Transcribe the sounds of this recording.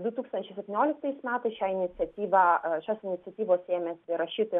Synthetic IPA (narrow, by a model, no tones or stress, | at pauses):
d̪ʊt̪uːkst̪ɐnʲt͡ʃʲɛɪsʲɛpʲt̪ʲɪnʲoːlʲɪk̚t̪ɐɪsmʲæːt̪ɐɪsʃʲæːɪnʲɪt̪sʲɛt̪ʲiːʋɑʃʲoːsɪnʲɪtsʲɛt̪ʲiːʋoːseːmʲesʲɪɾɐʃʲiːt̪o